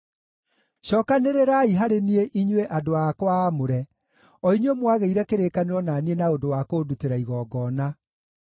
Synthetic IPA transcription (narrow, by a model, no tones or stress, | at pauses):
ɕɔːkaneɾeɾaiɦaɾenieʔiɲweʔadoakoaːmoɾɛ | ɔiɲomwaɣeiɾɛkeɾekaneɾwɔnanienaodowakoːduteɾaiɣɔːɡɔːna